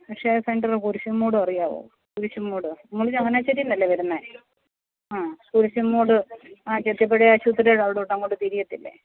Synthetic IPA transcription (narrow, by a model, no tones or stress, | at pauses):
pɐkʂeseɳɖɐrkuɾuɕumːuːɽɨɐrijaːʋo̰ː | kuɾuɕumːuːɽɨnuŋːɐɭiɲːɐŋːɐneat͡ɕːɐɾijunːɐlːeʋɐɾunːɐ | aːkuɾuɕɐmːuːɽɨat͡ɕet̪jɐp̬ːeɽeɐɕut̪ːiɾeɻɐʋiɽeuʈːɐŋːoːɖɨt̪iɾijɐt̪ːilːḛ